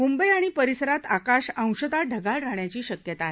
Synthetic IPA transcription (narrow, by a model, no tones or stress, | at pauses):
mumbəjaɽ̃ipəɾisəɾat̪akaɕə̃w̃ɕəd̪aɖʱəɡaɭɾaɳjat͡ɕiːɕəkjət̪aːɦe